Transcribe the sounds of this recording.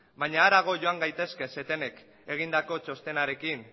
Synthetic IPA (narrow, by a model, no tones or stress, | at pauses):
baɲaːɾaɣ̞o̞ʝo̞aŋɡajt̪e̞ske̞se̞t̪e̞ne̞k | e̞ɣ̞ind̪ako̞t͡ʃo̞st̪e̞naɾe̞kin